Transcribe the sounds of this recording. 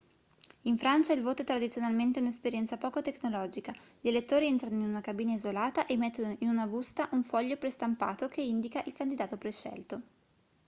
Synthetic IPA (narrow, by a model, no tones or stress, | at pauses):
iɱfɾant͡ʃailvoːt̪oɛt̪ɾad̪it̪sjonalment̪eɛunespeɾjɛnt̪sapɔːkot̪ekːnolɔːd͡ʒikaʎelet̪ːoːɾiɛnt̪ɾanoinunakabiːnaizolaːt̪aʔemːet̪ːonoinunabust̪aʔuɱfɔʎːopɾest̪ampa̰ːt̪okeind̪ikaʔilkand̪id̪aːt̪opɾeʃːɛ̰lt̪o